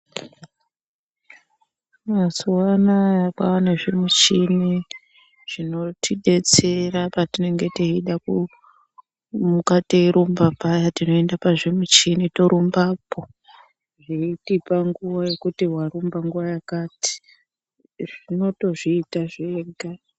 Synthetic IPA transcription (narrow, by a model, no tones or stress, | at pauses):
masuwanajakwa̰waneʐemut͡ʃini | ʐ̥ino̞tiɗe̞t͡serapatine̞ŋɡe̞teiɗaku | mukatiɾumbapajatino̞e̞ndapaʐemut͡ʃinito̞ɾumbaːpo̞ | ʐeitipaŋɡuʋaje̞kutiɦwaɾumbaŋɡuʋajakaːti̥ | ʐino̞to̞ʐiːtaʐeɡʱa